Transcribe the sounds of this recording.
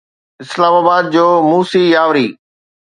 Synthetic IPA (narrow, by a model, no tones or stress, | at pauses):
ɪslaːmaːbaːd̪̚d͡ʑoːmuːsijaːʋɾiː